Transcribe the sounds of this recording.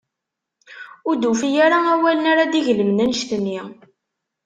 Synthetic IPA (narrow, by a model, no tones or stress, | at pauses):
ʊɾd̪ufijaɾaæwælənaɾad̪iʝələmnænʃt̪ənːi